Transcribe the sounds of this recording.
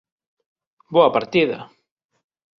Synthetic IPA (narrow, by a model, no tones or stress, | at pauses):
boɐpaɾt̪iðɐ̰